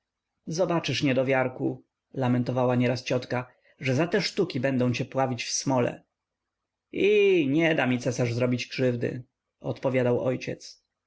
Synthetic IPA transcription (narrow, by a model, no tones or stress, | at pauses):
zɔbat͡ʂɘʂɲɛd̪ɔvʲjaɾku | lamɛnt̪ɔvawaɲɛɾast͡ɕɔt̪ka | ʐɛzat̪ɛʂt̪ukʲibɛnd̪ɔ̃w̃t͡ɕɛpwavʲit͡ɕfsmɔlɛ̰ | iɲɛd̪amʲit̪sɛsaʐzɾɔbʲid͡ʑkʂɘvd̪ɘ̰ | ɔ̰t̪pɔvʲjad̪awɔjt͡ɕɛt̪s